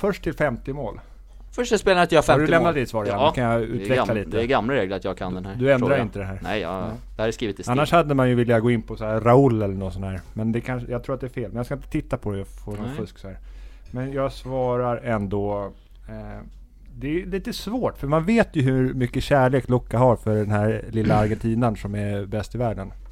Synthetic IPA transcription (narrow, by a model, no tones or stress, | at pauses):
fœʂʈtʰɪlfɛmt̪ɪmoːl | fœʂaspeːlat̪jahafɛadɵlɛmnnat̪ːɪt̪svɑːɾɪadɵkʰanjaʉ̟ːvɛklaliːt̪əɛɡamːlaɾeːɡləɾat̪jɑɡkʰa̰nd̪ɛnhæd̪ɵɛnd̪ɾaɾɪnt̪əd̪ɛɦæːɾnɛ̰jd̥̪ɛhaɾɛskɾiːvɪt̪ɪsanːaʂhad̪ːəmanjɵvɪljaɡoːɪnːpʰɔsɔæɾaʊlːɛlːəɳɔnsɔnæːɾmɛnd̪ɛkʰanʂjɑɡt̪ʰɾuːɾat̪d̪ɛæɾfeːlmɛnjaskaɪnt̪ə̥t̪ʰɪt̪ːapʰɔd̪ɛjafoːnɔnfɵsksɔhæːɾmɛnjɑːɡsvɑːɾaɾɛnd̪ɔ | d̪ɛliːt̪əsvoːʈːfœɾmanveːt̪jɵɦʉmʏkːəɕæːɭeːklɔkːaɦaɾfœɖɛnhæɾlɪlːaːɾɡɛnt̪ʰiːnənsɔmæbɛst̪ɪvæːɖən